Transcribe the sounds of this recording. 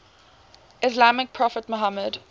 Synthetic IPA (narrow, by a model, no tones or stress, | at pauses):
ɪslamɪk̚pʰɹɔfətmɔɦaməd